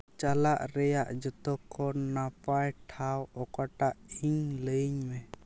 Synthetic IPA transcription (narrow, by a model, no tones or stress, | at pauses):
t͡ʃalaʔɾɛjaʔd͡ʒɔt̪ɔkʰːɔnapajʈʰawɔkaʈaʔiŋləjɲmɛ